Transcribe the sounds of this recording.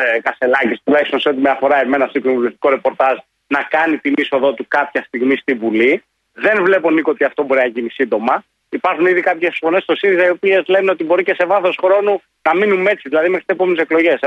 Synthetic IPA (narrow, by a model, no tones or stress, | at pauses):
kɐst̪e̞lɐcist̪ulɐçist̪o̞nseot̪imeɐfo̞ɾɐe̞me̞nɐst̪iknovulist̪i̥ko̞ɾe̞po̞ɾt̪ɐz | nɐkɐnit̪iniso̞ðo̞t̪ukɐpçɐst̪iɣmist̪ivuli | ðe̞nvle̞po̞nikoot̪iɐft̪o̞bo̞ɾinɐʝinisind̪o̞mɐ | ipɐɾxuniðikɐpçe̞sfone̞st̪o̞siɾizɐiopie̞zle̞neo̞t̪ibo̞ɾice̞se̞vɐθo̞sxɾo̞nu | nɐminune̞t͡siðilɐðimexɾit̪sepo̞me̞neseklo̞ʝe̞s